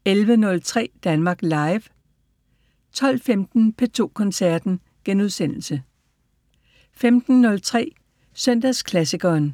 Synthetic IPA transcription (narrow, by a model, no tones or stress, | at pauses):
elʋənɔ̽lt͡sʰʁɛ̰ːd̥ænmɑ̈ːɡ̥lɑ̈ɪʋ | t͡sʰɒ̽l̰femd̥n̩pʰe̝t͡sʰo̝̰ːkʰɒ̽nsæɐd̥n̩ | ɡ̥enuð̞ˠsen̰l̩sə | femd̥n̩ːɔ̽lt͡sʰʁɛ̰ː | sœn̰d̥æskʰlæsiɡ̥ɐːn